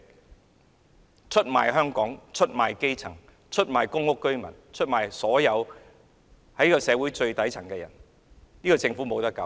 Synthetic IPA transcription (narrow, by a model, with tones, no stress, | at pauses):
t͡ʃʰɵ˥t̚ma̰ː˨jɦœː˥ŋkɔː˨˥ŋt͡ʃʰɵ˥t̚maː˨jke˥jt͡sʰɐ˨˩ŋ | t͡ʃʰɵ˥t̚maː˨jkʊ˥ŋːʊ˥kːɵ˥ɥmɐ̰˨˩nt͡ʃʰɵ˥t̚maː˨˩jsɔː˨˥jɐ˨˧w | hɐ˨˥jiː˥kɔ˧sɛː˨˧wuː˨˥jt͡ʃɵ˧ɥt̪ɐ˨˥jt͡sʰɐ˨˩ŋkɛ˧jɐ̰˨˩n | niː˥kɔː˧t͡sɪ˧ŋfuː˨˥mo˨˧wt̪ɐ˥kːɐ̰˨˧˦w